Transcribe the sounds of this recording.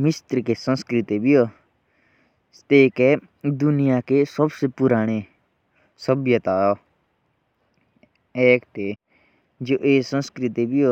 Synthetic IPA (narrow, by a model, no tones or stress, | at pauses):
mɪst̪ɾkesə̃nskɾɪt̪ebioː | st̪eːke | d̪ʊnɪjakesəbsepʊɾaːɽ̃e | səbjət̪aːɔː | ɛːkt̪e | d͡ʒoːʔeːsə̃nskɾɪt̪ibʱijoː